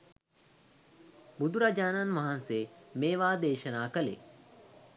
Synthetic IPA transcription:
bud̪uɾad͡ʒaːnanʋɐɦansemeːʋaːd̪eːʃɐnaːkəlḛː

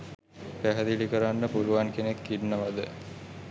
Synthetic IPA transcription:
pæɦəd̪ilikəɾanːəpuluʋaŋkenekːinːəʋad̪ə

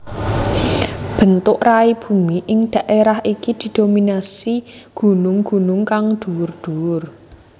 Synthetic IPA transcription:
b̥ə̤nt̪ʊʔraib̥ṳmiʔɪŋd̪̥a̤ʔeɾahʔikid̪̥i̤d̪̥ominasiɡ̥ṳnʊŋɡ̥unʊŋkaŋd̪̥uwʊrd̪̥uwʊr

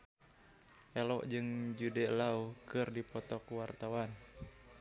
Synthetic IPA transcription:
ʔɛlɔʔd͡ʒɨŋd͡ʒudɛlaukɨrdipɔt̪ɔkuwart̪awan

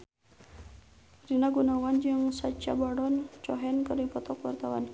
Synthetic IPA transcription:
rinaɡunawand͡ʒɨŋsat͡ʃabaɽɔnt͡ʃɔɦɛnkərdipɔt̪ɔkwart̪awa̰n

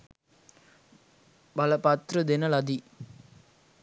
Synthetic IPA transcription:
bɐlɐpɐt̪ɾɯd̪ɪnɐlɐd̪i

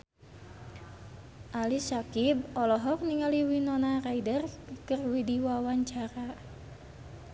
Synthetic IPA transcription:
ʔalisakib̚ɔlɔɦɔk̚niŋaliwinɔnaraidərkərwidiwawaɲt͡ʃaɾa

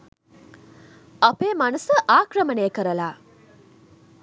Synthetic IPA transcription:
ɐpeːmɐnɐsəʔaːkɾɐməneːkəɾɐlaː

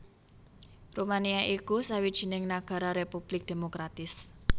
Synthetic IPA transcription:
rumaniaʔikusawid̥ʒ̥i̤nɪŋnaɡ̥a̤ɾaɾepub̥lɪk̚d̪̥e̤mokɾat̪ɪs

